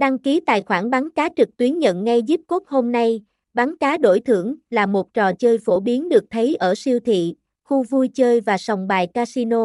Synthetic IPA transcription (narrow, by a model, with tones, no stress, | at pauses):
ɗa˧ŋki˨˦t̪a̰ː˧˨jxwaː˧˩nɓaː˨˦nkaː˨˦t͡ɕɨ˨˩k̚t̪wi˨˦ənɲə̰˧˨nŋa˧jzi˦˥p̚ko˦˥t̚ho˧mna˧j | ɓaː˨˦nkaː˨˦ɗo˧˩jt̪ʰɨ̰˧˩əŋlaː˨˩mo˨˩t̚t͡ɕɔ˨˩t͡ɕəː˧jfo˧˩ɓi˨˦ənɗɨ˨˩ək̚t̪ʰə˨˦jʔəː˧˩si˧əwt̪ʰḭ˧˨ | xu˧vu˧jt͡ɕəː˧jvaː˨˩sa˨˩wŋ͡mɓaː˨˩jkaː˧si˧no˧